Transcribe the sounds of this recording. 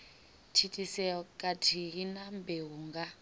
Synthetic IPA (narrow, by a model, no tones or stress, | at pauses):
tʰitʰʼisɛɔkʼatʰiɦinambɛɦuŋɡa